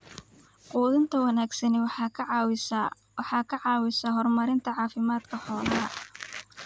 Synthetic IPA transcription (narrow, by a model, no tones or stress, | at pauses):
quːðɪnt̪ʰɐwɐnaːɡsɐnɪwɑ | wħɑːkʰɐʕɑːwɪsɐɦɔrmɐɾɪnt̪ʰɐʕɑːfɪmaːd̪kʰɐħɔːlɐɐ